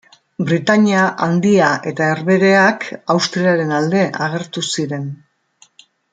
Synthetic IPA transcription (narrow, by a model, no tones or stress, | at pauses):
bɾit̪aɲiaʔand̪iaʔe̞t̪ae̞ɾβe̞ɾe̞akawst̪ɾiaɾe̞nald̪e̞ʔaɣ̞e̞ɾt̪usiɾe̞n